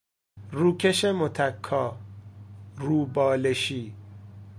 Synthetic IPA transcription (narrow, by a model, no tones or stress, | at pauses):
ruːkʰeʃemot̪ʰækʰːɒː | ɾuːbɒːleʃiː